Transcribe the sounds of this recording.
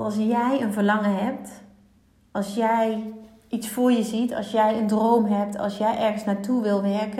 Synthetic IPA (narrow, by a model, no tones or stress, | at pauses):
ɑlˠsjɛjənvərlɑŋəɦɛp̚t | ʔɑlˠsjɛj | itsfʊːɹjəzitʰɑ̰lˠsjɛjəndroːmɦɛp̚tʰɑ̰lˠsjɛjʔɛrɣənsnatʰuʋɪlˠʋɛrkə